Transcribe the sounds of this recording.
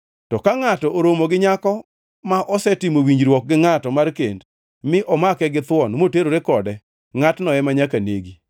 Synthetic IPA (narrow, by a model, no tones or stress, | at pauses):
tɔkaŋatɔʔoɾomoɡɪɲakɔ | maʔɔsɛtɪmowiɲd͡ʒɾwɔk̚ɡɪŋatɔmarkend | mɪʔɔmakɛɡɪt̪wɔnmoteɾoɾekɔdɛ | ŋatnɔɛmaɲakanḛɡi